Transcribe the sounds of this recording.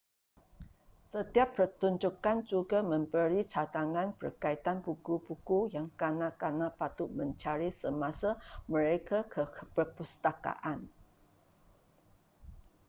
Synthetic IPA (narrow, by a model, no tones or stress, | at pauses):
sət̪iapːərt̪uɲd͡ʒukand͡ʒuɡamə̃mbəɾit͡ʃat̪aŋãnbə̰rkait̪anbukubukujaŋkanakanapat̪ʊʔmə̃ɲt͡ʃaɾisəmasaməɾekakʰəpərpust̪aka̰ʔan